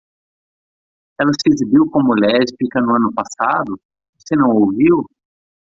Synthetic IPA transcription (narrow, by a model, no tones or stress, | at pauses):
ɛlɐsɪezibiwkõmʊlɛɾd͡ʒɪfikɐ̃nʊɐ̃nʊpasad̪ʊ | vosenɐ̃w̃owviw